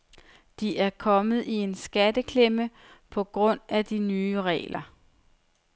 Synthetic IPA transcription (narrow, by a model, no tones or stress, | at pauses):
d̥iʔæɐkʰɒ̽mð̞̩ˠie̝nsɡ̥ædəkʰlemə | pʰɒ̽ɡ̥ʁɔ̽n̰æd̥inyːəʁɛ̰ːlʔɐ